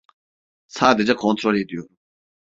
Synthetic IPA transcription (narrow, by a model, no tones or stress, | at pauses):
t͡sʰad̪et͡ɕakʰɔŋt͡s̪ʰoɹet̪ujo